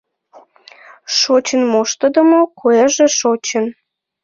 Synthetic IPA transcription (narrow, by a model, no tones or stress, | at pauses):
ʃot͡ɕənmoʃt̪əd̪əmokoeʒĕʃot͡ɕən